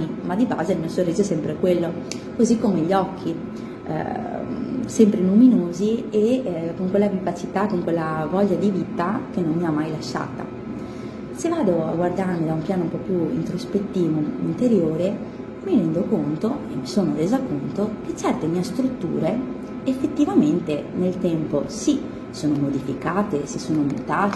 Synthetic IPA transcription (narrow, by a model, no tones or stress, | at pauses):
imad̪ːiba̰ːzelmiasorːiːzosɛmpɾekwelːo | kozikːomeʎːɔkʰːḭ | sɛmpɾeluminoːziekoŋkwelːavivat͡ʃit̪akːoŋkwelːavɔʎːad̪iviːt̪ak̟enːonmiamːajlaʃːa̰ːt̪a̰ | sevːaːd̪oa̰ɡward̪armid̪aumpjaːnoumpɔpːjuḭnt̪ɾospet̪ːiːvoint̪eɾjoːɾe | miɾɛnd̪okont̪oemːisoːnoɾeːzakont̪ok̟et͡ʃɛrt̪emiːest̪ɾut̪ːṵːɾe | efːet̪ːivament̪enelt̪ɛmposi | soːnomod̪ifikaːt̪esesːoːnomṵt̪aːt̪